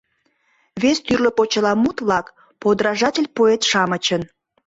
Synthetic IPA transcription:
βest̪yrləpot͡ɕəlɑmut̪βlɑk | pod̪ɾɑʒɑtʲelʲpoet̪ʃɑmət͡ɕən

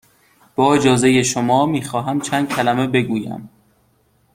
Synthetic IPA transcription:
b̥ɒːed͡ʒɒːze̞jeʃomɒːmiːxɒːɦæmt͡ʃʰæːnd̪̚cʲʰælæme̞be̞ɡuːjæ̰m

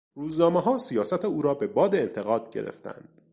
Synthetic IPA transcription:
ɾuːznɒːmeɦɒːsijɒːsæt̪ʰeuːɾɒːbe̞bɒːd̪eːnt̪ʰe̞ɣɒːd̪̥ɟe̞̰ɾḛft̪ʰæ̰nd̪̥

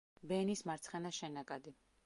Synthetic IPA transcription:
bɛnismaɾt̪sʰχɛnaʃɛnakʼad̪i

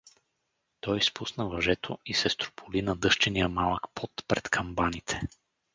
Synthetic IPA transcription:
t̪ɔjspusnəvɐʒɛt̪ʰoisɛst̪ɾo̥pʰʊlinɐd̪ɤʃt͡ʃɛnijəmalˠəkpʰɔt̪pɾɛt̪kʰɐmbanit̪ʰɛ̥

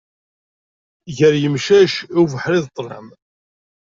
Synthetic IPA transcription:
ʝəɾjəmʃæʃivəħɾiðt̪ˤːlə̰m

